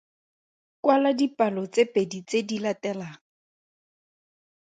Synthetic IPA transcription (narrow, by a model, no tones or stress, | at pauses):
kwaladipʼalɔt͡sepʼedit͡sedilatɛlaːŋ̩